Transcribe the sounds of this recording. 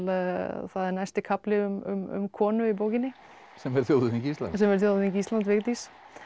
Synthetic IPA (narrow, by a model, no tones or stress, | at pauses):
lθaðɛɾnajst̪ɪkʰaplɪʏmʏ̰mʏ̰mkʰɔːnʏipoːwcɪnːɪ | sɛmɛɾ̥θjowðʏincist̪a̰sɛmɛɾ̥θjoːwðʏθincislant̪vɪɣt̪is